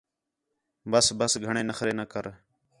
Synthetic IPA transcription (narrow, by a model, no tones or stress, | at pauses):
bəsbəsɡʱəɳ̃ẽːnəxɾeːnəkəɾ